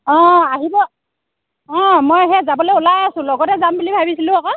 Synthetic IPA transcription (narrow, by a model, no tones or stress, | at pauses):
ɔ̃aɦibɔ | ɔ̃mɔjɦɛzabɔlojulajasʊ̃lɔɡɔtɛzambulibʱabisilʊ̃akɔ